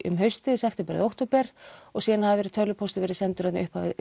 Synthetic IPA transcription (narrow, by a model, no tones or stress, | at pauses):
ʏ̰mɦœɥst̪ɪðsɛft̪ɛmpɛɾ̰ðowht̪owpɛɾ̥ɔɣsiːðanhavvɛɾɪ̥t̪ʰœlʏpʰɔst̪ɪvɛːɾɪsɛnt̪ʏɾat̪n̰ʏhphavɪ